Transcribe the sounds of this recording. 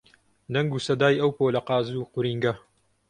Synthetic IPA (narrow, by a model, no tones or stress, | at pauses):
nɐŋɡusɐd̪aːjɐwpoːlɐqɑːzuːqʊɾiːŋɡɐ